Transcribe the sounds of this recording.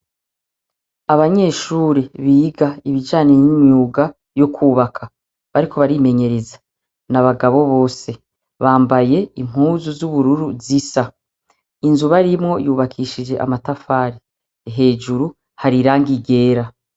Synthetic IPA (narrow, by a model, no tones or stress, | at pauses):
aβaɲe̞ʃuːɾiβiːɡaiβid͡ʒaːnenimɲuːɡa | jo̞kʰuːβakʰa | βaɾikʰo̞βaɾime̞ɲe̞ɾezḁ | naβaɡaβo̞βo̞ːse̞ | βaːmbaje̞im̥huːzuzuβuɾuɾuzisa | inzuβaɾimŋo̞juːβakʰiʃid͡ʒe̞ʔa̰matafaːɾi | ɦe̞ːd͡ʒuɾu | haɾiɾaːŋɡiɡe̞ːɾa